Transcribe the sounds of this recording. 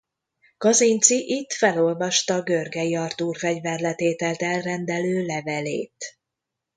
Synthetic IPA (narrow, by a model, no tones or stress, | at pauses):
kɒzint̪siʔit̪fɛlo̞lvɒʃt̪ɒɡørɡɛjiɒrt̪uːrfɛɟvɛrlɛt̪eːt̪ɛlt̪ɛlrɛnd̪ɛløːlɛvɛlḛːt̪